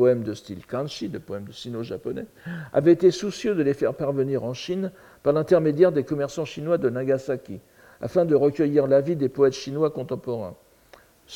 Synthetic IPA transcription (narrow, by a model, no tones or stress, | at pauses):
ɔɛmd̪əst̪ilkɑ̃nʃid̪əpɔɛmd̪əʃinoʒapɔnɛ̰ | a̰vɛet̪esusjød̪əlefɛʁpaʁvəniʁɑ̃ʃin | paʁlɛ̃t̪ɛʁmed̪jɛʁd̪ekɔmɛʁsɑ̃ʃinwad̪ənãɡasakʲḭ | a̰fɛ̃d̪əʁəkʲəjiʁlavid̪epɔɛt̪ʃinwakɔ̃t̪ɑ̃pɔʁɛ̰̃ | s